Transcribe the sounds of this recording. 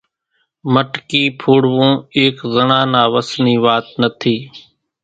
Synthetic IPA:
məʈkiːpʰoːɽʋõːeːkzənãːnaːʋəsniːʋaːt̪nət̪ʰiː

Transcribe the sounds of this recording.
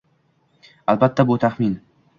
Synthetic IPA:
albat̪ʰːabʊt̪ʰaχmin

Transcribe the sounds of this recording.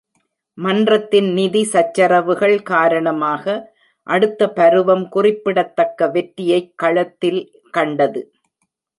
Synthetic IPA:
mɐndrɐt̪ːɪnnɪðisɐt͡ʃːɐrɐʋɯɣɐɭkaːɾɐɳɐmaːɣɐ | ʔɐɽɯt̪ːɐpɐɾɯʋɐmkʊrɪpːɪɽɐt̪ːɐkːɐʋɛʈːɪjɐɪkːɐɻɐt̪ːɪl | kɐɳɖɐðɯ

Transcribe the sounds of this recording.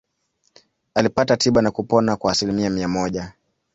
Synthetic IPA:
alipatatʰiɓanakupɔnakwaːsilimiamiamɔʄa

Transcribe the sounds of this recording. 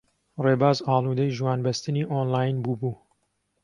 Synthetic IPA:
reːbaːzɑːlˠuːd̪ɐjʒwɑːnbɐst̪ɨniːʔoːnlaːjnbuːbuː

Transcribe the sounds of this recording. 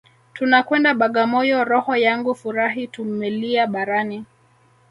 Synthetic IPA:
tunakwɛndaɓaɠamɔjɔɾɔhɔjaŋɡufuɾaɦitum̩ːɛliaɓaɾani

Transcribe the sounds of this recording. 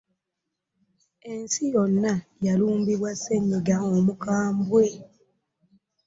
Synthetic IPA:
e̞nsijonːajaluːmbiβwase̞ɲːiɡaomukaːmbwe̞

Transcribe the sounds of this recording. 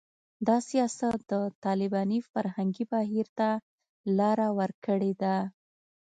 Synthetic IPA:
d̪ɑsijɑsat̪̚d̪̥ət̪ɑlɪbɑnifaɾhaŋɡibaɦiɾt̪a | lɑɾawəɾkəɽed̪a

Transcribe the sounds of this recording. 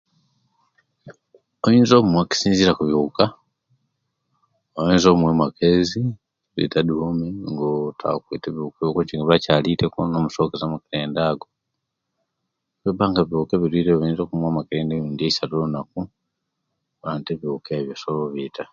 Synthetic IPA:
oiːnzoβumwaki̥siːnziɾakuβjuka | oiːnzomwemakezi | lwḭtaduhomeŋɡotʰa̰kwiːteβiukeβjokut͡ʃiŋɡaβacalitekonomusokezamakiɾeːndaːɡo | βeβaːŋɡaβjukeβiɾwiːɾeβiːnzokumwamakiɾeːndejuːndieisaɾonaku | βaːnteβjukeβjosoloβitʰa

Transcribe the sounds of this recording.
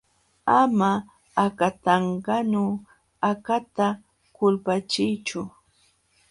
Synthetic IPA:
amaː | kat̪ɑɴɢɑnʊ | akat̪a | kʊlpat͡ʃɪjt͡ʃʊ

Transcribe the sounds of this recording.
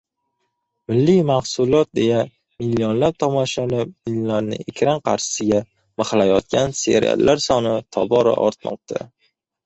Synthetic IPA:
mɪlːimahsʊlˠɒt̪̚d̪e̞ja | mɪlːijonlap̚t̪ʰɒmɒʃalɪmɪlːaɾnɪ̰ekʲʰɾanqʰɑɾʃɪ̥sɪɡʲa | mɨχlajɒt̪̚kʲʰanse̞̰ɾa̰lːʔaɾsɒnɪt̪ʰɒbɒɾa̰ʔɒɾt̪mɒ̰q̚t̪ʰa̰

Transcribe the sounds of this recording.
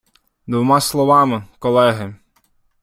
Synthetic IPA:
d̪ʋɔmɑslˠɔʋɑmɪkɔlˠɛɦɪ

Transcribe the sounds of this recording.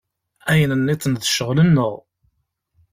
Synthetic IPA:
æjənənːit͡sːənðəʃəʁlənːəʁ

